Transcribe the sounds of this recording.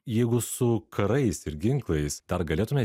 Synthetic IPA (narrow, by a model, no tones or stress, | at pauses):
jɛɪɡʊsʊkʰɐɾɐɪsɪɾɡʲɪŋklˠɐɪsd̪ɐɾɡɐlʲeːt̪ʊmʲɛ